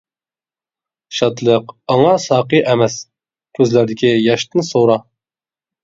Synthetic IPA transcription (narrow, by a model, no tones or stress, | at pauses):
ʃɑt̪lˠəqɑŋɑsɑːqɨʔɛmɛs | kʲʰøzlæɾd̪ɪkʲijɑʃt̪ɨnsoɾɑ